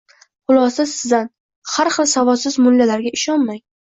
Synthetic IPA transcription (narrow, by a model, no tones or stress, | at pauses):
qʊlˠɒsɪzsɪzd̪an | haɾχɨlˠsavɒsɪzmʊlːalaɾɡʲaɪʃɒnmajŋ